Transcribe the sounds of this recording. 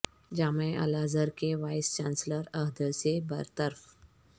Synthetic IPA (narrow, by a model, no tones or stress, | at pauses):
d͡ʒaməjʔə̰lazəɾkeʋajst͡ɕansləɾəɦd̪əsebəɾt̪əɾf